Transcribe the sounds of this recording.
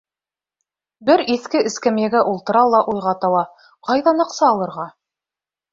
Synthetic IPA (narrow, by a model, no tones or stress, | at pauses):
bɘɾiθkɘʔɘ̆skæmjæɡæʔulˠt̪ɤ̆ɾɑlˠɑʔujʁɑt̪ɑwɑ | qɑjðɑnɤ̆qsɑːlˠɤ̆ɾʁɑ